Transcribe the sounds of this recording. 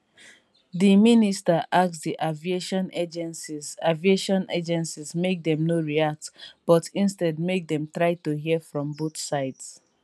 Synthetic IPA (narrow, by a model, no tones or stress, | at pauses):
diministaʔaksdiʔavieʃɔ̃ned͡ʒɛ̃nsizavieʃɔ̃nʔed͡ʒɛ̃nsizmek̚dɛ̃mnoɹiak̚tb̥ɔtĩnstɛd̚mek̚dɛ̃mtɹaɪtuɦifɹɔ̃mbotsaɪds